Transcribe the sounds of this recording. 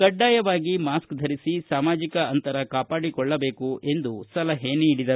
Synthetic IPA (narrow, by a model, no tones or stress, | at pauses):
kɐɖːaːjɐʋaːɡimaːskd̪ʱɐɾisisaːmaːd͡ʒikɐɐnt̪ɐɾɐkaːpaːɽikɔɭːɐbe̞ːkue̞nd̪usɐlɐɦeːneːɽid̪ɐɾ